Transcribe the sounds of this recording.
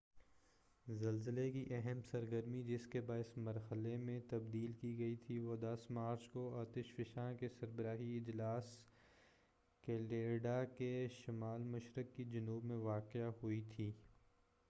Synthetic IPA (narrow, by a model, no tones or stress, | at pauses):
zɐlzəlekiʔɛɦɛmsɐɾɡəɾmid͡ʒɪskebaːɪsmɐɾhəlemẽt̪ɐbd̪iːlkiɡɐit̪ʰiʋoːd̪ɐsmaːɾt͡ʃkoaːt̪ɪʃfɪʃãːkesɐɾbəɾaːɦiɪd͡ʒlaːs | keːleːɖakeʃɪmaːlmɐʃɾəkːid͡ʒɐnuːbmẽʋaːqɪaɦʊit̪ʰiː